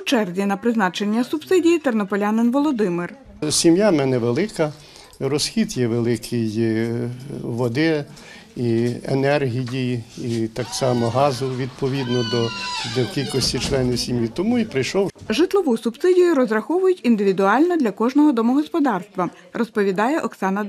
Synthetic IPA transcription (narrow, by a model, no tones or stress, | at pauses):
t͡ʃɛrzʲinɐpɾɪznɑt͡ʃe̞nʲːɐsʊbsɪdʲijit̪ernɔpɔlʲanɪnʋɔlˠɔd̪ɪmɪr | sʲimjamɛnɛʋelˠɪkɐ | ɾɔsxʲid̪jɛʋelˠɪkʰɪj | ʋɔd̪ɪ | iḛnɛrɦʲijʲijit̪ɑksɑmɔɦɑzʊʋʲid̪̚pɔʋʲid̪nɔd̪ɔd̪ɔkʲilʲkɔsʲtʲit͡ʃlˠɛnɪwsʲimjit̪ɔmuipɾɪjʃɔwʒɪt̪lˠɔʋusʊbsɪdʲijʊɾɔzrɐxɔʋʊjʊtʲind̪ɪʋʲid̪ʊɑlʲnɐd̪lʲɐkɔʒnɔɦɔd̪ɔmɔɦɔspɔd̪ɑrst̪ʋɐ | rɔspɔʋʲid̪ɑjɛʔɔksɑnɐ